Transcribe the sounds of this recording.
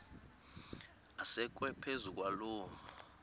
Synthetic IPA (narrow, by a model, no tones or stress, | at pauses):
asɛk̬ʼwɛpʰezukʼwaloːŋu